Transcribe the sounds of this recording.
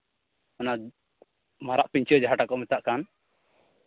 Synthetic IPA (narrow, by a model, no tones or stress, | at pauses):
ɔna | maɾaʔpiɲt͡ʃiɔd͡ʒaɦaʈakɔʔmit̪aʔkan